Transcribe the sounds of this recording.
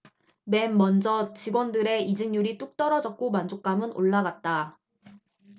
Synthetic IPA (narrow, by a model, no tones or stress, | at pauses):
me̞mːʌnd͡ʑʌt͡ɕiɡwʌndɯɾe̞id͡ʑɯŋɲuɾit͈uk̚t͈ʌɾʌd͡ʑʌk̚k͈omand͡ʑok̚k͈amɯno̰ɭːaɡat̚t͈a